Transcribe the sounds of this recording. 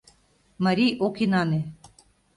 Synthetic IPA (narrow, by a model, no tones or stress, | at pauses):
məɾiʔokinɑne